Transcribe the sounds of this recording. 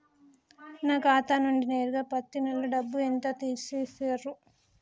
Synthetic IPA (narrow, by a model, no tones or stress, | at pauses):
naːkaːt̪aːnuɳɖine̞ːɾuɡaːpɐt̪ːinɐlːuɖɐbːuent̪aːt̪iːsiːseɾːu